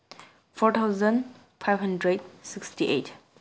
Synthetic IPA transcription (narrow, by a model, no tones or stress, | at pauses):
fʰɔt̪ʰawzə̃n | pʰajvɦãndɾed̚sikstiʔḛt